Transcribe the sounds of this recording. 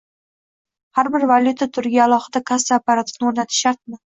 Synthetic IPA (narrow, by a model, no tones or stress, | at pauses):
haɾbɪɾvalʲˠjʊt̪ʰat̪ʰʊɾɡʲɪalˠɒχɨd̪akʰast̪aapːaɾat̪ʰɪ̥fnɪoɾnat̪ʰɪ̥ʃaɾt̪mɪ